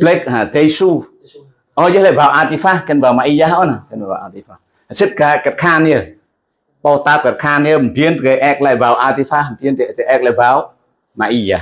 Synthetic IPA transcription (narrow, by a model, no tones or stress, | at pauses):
blɛk̚haːt̪ejsu | ʔɔjəlaːbaːwʔat̪ifakɛnbaːwmaʔijahʔɔnakɛnaba̰ːʔat̪ifa | asit̚kaːkat̚kʰaːnə | ɓɔt̪aːp̚kat̪̚kʰaːnəmpiənt̪eʔɛk̚la̰jbaːwʔat̪ifahpiənt̪it̪eʔɛk̚labaːw | maʔija